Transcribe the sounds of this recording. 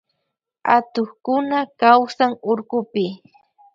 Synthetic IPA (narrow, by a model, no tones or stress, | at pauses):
at̪oχkʊnakawsaŋʊɾkʊpɪ